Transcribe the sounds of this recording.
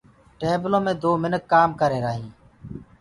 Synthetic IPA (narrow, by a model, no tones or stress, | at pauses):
ʈeːblõːmẽːd̪oːmɪnəkːaːmkəɾeːɾaːɦĩː